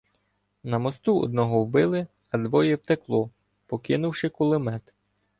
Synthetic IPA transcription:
nɐmɔst̪uɔ̰d̪̚nɔɦɔwbɪlˠɪ | ɐd̪ʋɔjɛpt̪eklˠɔ | pɔkɪnʊwʃɪkʊlˠɪmɛt̪

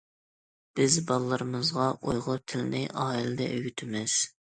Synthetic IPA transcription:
b̥ɪzbɑlˠːəɾɨmɨzʁɑʔojʁʊt̪ʰɪlɪnɪʔɑːilɪd̪ɛ̰ʔøɡʲyt̪ʰɪmɪz̥

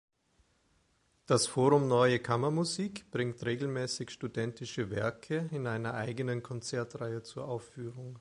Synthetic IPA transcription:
d̥asfoːʁʊmnɔʏəkʰamɐmuziːkb̥ʁɪŋtʁeːɡl̩mɛːsɪçʃtudɛntɪʃəvɛɐkʰəɪnʔaɪnɐʔaɪɡənənkʰɔnt͡sɛɐtʁaɪət͡suːɐʔaʊfyːʁʊŋ

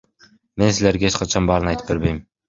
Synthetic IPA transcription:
me̞nsile̞ɾɡeet͡ʃqʰɑt͡ʃʰɑnbɑːɾɯnɑjt̪ɯ̥p̚be̞ɾbe̞jm

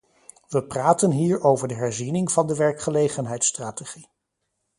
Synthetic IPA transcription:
ʋəpraːtənɦiːɹowvəɹdəɦɛɹzinɪŋv̥ɑndəʋɛɹkχəlejχənɦɛjtstraːteχi

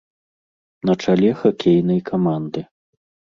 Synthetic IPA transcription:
nɐt͡ʂalʲɛxakʲejnɐjkʰamand̪ɨ

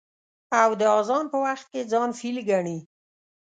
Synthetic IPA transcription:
awd̪əɑzɑnpəwaxt̪̚ked͡zɑnfilɡaɳi

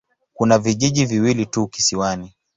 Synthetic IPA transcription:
kunaviʄiʄiviwilituki̥siwani

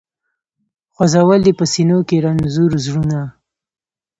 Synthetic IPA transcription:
xwazawəld̪epəsinokeɾanzuɾzɽuna

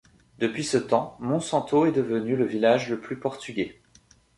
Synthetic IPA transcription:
d̪əpɥisət̪ɑ̃mɔ̃sɑ̃t̪oɛd̪əvənyləvilaʒləplypɔʁt̪yɡʲe

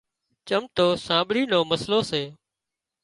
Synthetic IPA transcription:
t͡ʃəmt̪oːsãːɓɽiːnoːməsloːseː

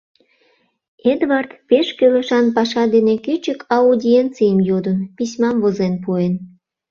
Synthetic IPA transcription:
ed̪βɑrt̪peʃkølə̆ʃɑnpɑʃɑd̪enekyt͡ɕəkʰɑudʲient͡sijəmjod̪ənpisʲmɑmvozenpuen

